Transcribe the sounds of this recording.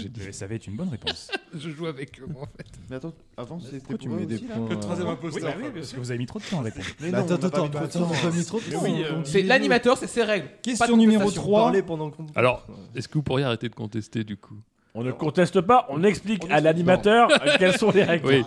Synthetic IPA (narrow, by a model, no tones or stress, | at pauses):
ʒeesavɛt̪ynbɔnʁepɔ̃sʒəʒuavɛkəɑ̃fɛt̪meat̪ɑ̃ | avɑ̃set̪yɛχwazjɛm̃powiwipapasə̥kəvuzavemit̪χodət̪ɑ̃aʁepɔ̃ʁ̃t̪t̪ot̪t̪ot̪vamit̪χod̪ət̪ɑ̃wĩsɛlanimat̪œʁsɛseʁɛɡlkɛst̪pajɔ̃nymeʁot̪χwaaʁlepɑ̃d̪ɑ̃ka̰lɔʁɛskəvupuʁjeaʁet̪ed̪əkɔ̃t̪ɛst̪ed̪ykʰu | ɔ̃nəkɔ̃t̪ɛst̪əpaʔɔ̃nɛksplikalanimat̪œʁkɛlsɔ̃leʁɛɡwi